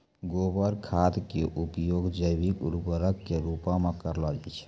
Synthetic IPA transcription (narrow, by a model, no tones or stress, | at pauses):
ɡoːbəɾkʰat̪keʔupjoɡd͡ʒəjbikɾubəɾəkːeɾupãmẽkəɾlɔd͡ʒat͡ʃʰ